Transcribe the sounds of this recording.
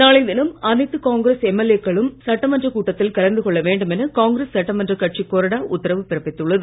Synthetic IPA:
naːɭɐɪd̪ɪnɐmɐnɐɪt̪ːɯkaːŋɡɾeːsɛmːɛlekːɐɭɯmsɐʈːɐmɐndrɐkuːʈːɐt̪ːɪlkɐlɐnd̪ɯkɔɭːɐʋeːɳɖɯmɛnɐkaːŋɡɪɾeːsːɐʈːɐmɐndrɐkɐʈ̚t͡ʃikoːɾɐɽaːʔʊt̪ːɐɾɐʋɯpɪɾɐpːɪt̪ːɯɭːɐðɯ

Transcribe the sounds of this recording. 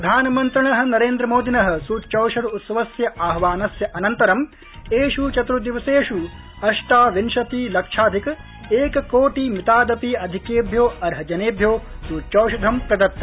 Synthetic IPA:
pɾɐd̪ʱaːnɐmɐnt̪ɾɐɳɐɦɐ̆nɐɾeːnd̪ɾɐmoːd̪inɐɦɐ̆suːtːt͡ʃɐwʃɐd̪ut̪sɐʋɐsjɐʔaːɦɐʋaːnɐsjɐʔɐnɐnt̪ɐɾɐm | eːʃut͡ʃɐt̪ɾud̪iʋɐseːʃu | ɐʃʈaːʋinʃɐt̪iːlɐkʂaːd̪ʱik | eːkɐkoːʈimit̪aːd̪ɐpiːɐd̪ʱikeːbʱjoːɐɾɦɐd͡ʒɐneːbʱjoːsuːtt͡ʃɐwʃɐd̪ʱɐmpɾɐd̪ɐt̪ːɐ

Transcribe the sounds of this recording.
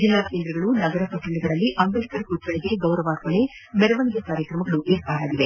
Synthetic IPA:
d͡ʒinaːkend̪ɾɐɡɐɭunɐɡɐɾɐpɐʈɐɳːiɡɐɭɐlːiʔɐmbɐlikɐɾɐkutːʋɐɭiɡe̞ɡɐwɾɐʋaːkoɭe | mɛɾɐʋɐŋɡjɐkaːɾjɐkɾɐmɐɡɐɭuʔeːɾpaːɾaːɡiʋe

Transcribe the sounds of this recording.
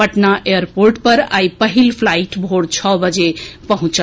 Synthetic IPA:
pəʈnaʔejəɾpoɾʈpəɾa̰ipəɦilpʰlaiʈbʱoɽt͡ʃʰɔbəd͡ʒepəɦũt͡ʃə

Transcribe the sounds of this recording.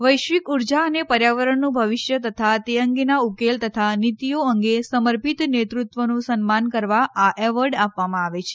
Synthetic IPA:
ʋəjʃʋikuɾd͡ʒaənepəɾjaʋəɾəɳnũbʱəʋiʃjət̪ət̪ʰat̪eəŋɡenaukelt̪ət̪ʰanit̪ijoəŋɡesəməɾpit̪net̪ɾut̪ʋənũsənmankəɾʋaʔaʔɛʋəɾɖapʋamãaʋet͡ʃʰe̥

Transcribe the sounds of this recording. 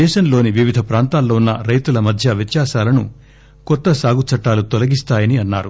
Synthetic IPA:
ɛːʃɐnlo̞ːniʋiʋid̪ʱɐpɾaːnt̪aːlːoːunːɐɾɐjt̪ulɐmɐd̪ʱjɐʋit̪jaːʃaːlɐnu | kɔt̪ːɐsaːɡut͡ʃɐʈːaːlut̪ɔlɐɡist̪aːjɐniɐnːaːɾu

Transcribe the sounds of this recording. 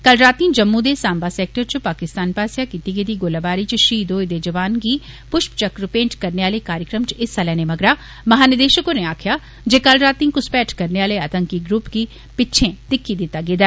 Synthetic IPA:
kɐlɾaːt̪ĩːd͡ʒɐmːud̪eːsãːmbaseːk̚ʈəɾt͡ʃpaːkɪst̪aːnpaːsjakiːt̪iɡeːd̪iɡoːlabaːɾit͡ʃʃiːd̪oːɪd̪ed͡ʒɐʋaːnki | pʊʃpt͡ʃɐkɾʊpẽːɳʈkɐɾneʋaːlekaːɾjəkɾəmt͡ʃɪsːɐlɛːnemɐɡɾa | mɐɦaːnɪd̪eːʃəkoneaːkʰja | d͡ʒeːkɐlɾaːt̪ĩːkʊspɛːʈʰkɐɾneaːleɐt̪ə̃ŋkiɡɾupki | pɪtːʃʰẽt̪ɪkːid̪ɪt̪aɡeːd̪a

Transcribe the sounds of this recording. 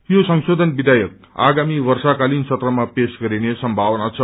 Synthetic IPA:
josʌŋsod̪ʱʌnbid̪ʱajʌk | a̰ɡamibʌrsakalint͡sʰʌt̪rʌmapesɡʌɾinesʌmbʱawnat͡sʰʌ

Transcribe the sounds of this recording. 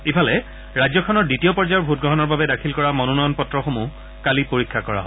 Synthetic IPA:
ipʰalɛ | ɹazɔkʰɔnɔɹditiɔpɔɹd͡ʒajɔɹbʱut̚ɡɹɔɦɔnɔɹbabɛdakʰilkɔɹamɔnunɔjɔnpɔtɹɔxomu | kalipoɹikʰːakɔɹa̰ɦɔj

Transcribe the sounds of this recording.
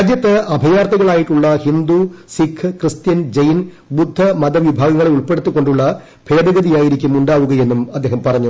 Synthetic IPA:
d͡ʑjɐt̪ːɨɐbʱɐjaːrt̪ɐɣɐɭaːjiʈːuɭːɐhind̪usikʰɨkrɨst̪jɐnd͡ʑɐjin | bud̪ʱːɐmɐd̪ɐʋibʱaːɡɐŋːɐɭeuɭpe̞ɽut̪ːukːo̞ɳɖuɭːɐ | pʰe̞ːd̪ɐɣɐd̪ijaːjiɾikʲːumuɳɖaːʋuɣɐje̞nːumɐd̪ːe̞ːɦɐmpɐrɐɲːu

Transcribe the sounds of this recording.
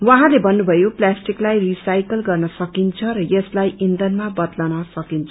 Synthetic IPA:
wʌɦãlebʱʌnːubʱʌjoplasʈiklajrisajkʌlɡʌrnʌsʌkint͡sʰʌɾʌjʌslajind̪ʌnmabʌd̪lanʌsʌkint͡sʰʌ̥

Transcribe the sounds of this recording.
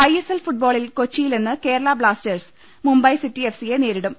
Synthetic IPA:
ɐjeselfuʈ̚bo̞ːɭilko̞t͡ɕːijilenːɨke̞ːɾɐɭɐbɭaːsters | mumbɐjsitːiefsijeneːɾiɽum

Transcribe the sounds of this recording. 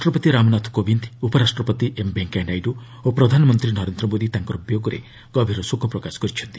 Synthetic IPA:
ʈɾɔpɔt̪iɾamɔnat̪ʰkobʱind̪upɔɾasʈɾɔpɔt̪iʔembeŋkeɳɖajɖu | opɾɔd̪ʱanɔmɔnt̪ɾinɔɾend̪ɾɔmod̪it̪aŋkɔɾubjoɡɔɾḛ | ɡ̥ɔbʱiɾɔsukʰɔpɾɔkasɔ̥kɔɾit͡ʃʰɔnt̪i

